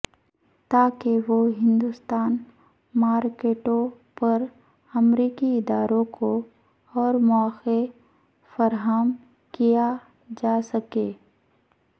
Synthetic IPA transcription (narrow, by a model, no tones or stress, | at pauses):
t̪aːkeʋoɦɪ̃nd̪ʊst̪aːn | maːɾkeːʈõ | pɐɾ | ɐmɾiːkiɪd̪aːɾõko | ɔːɾmɔːxe | fɐɾɦəm | kija | d͡ʒaːsɐkeː